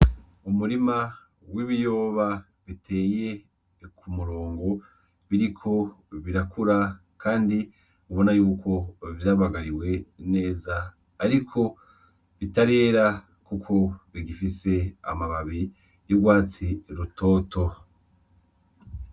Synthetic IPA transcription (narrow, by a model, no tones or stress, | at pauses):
umuɾima | wiβijo̞ːβa | βitʰe̞ːje̞ | kʰumuɾo̞ːŋɡo̞ | βiɾikʰo̞βiɾakʰuɾa | kaːndi | uβo̞najuːko̞vjaːβaɡaɾiwe̞ne̞ːzaː | ɾikʰo̞ | βitaɾe̞ːɾa | kukʰo̞βiɡifise̞a̰maβaβi | juɡwaːt͡siɾutʰo̞ːto̞